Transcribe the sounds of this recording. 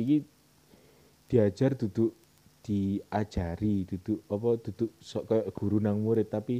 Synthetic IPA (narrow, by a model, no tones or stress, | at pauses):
iki | d̪̥i̤ad̥ʒ̥ard̪̥ṳd̪̥ʊʔ | d̪̥i̤ad̥ʒ̥a̤ɾid̪̥ud̪̥uʔɔpɔd̪̥ṳd̪̥ʊʔsɔʔkɔjɔʔɡ̥ṳɾunaŋmuɾɪt̪ːapi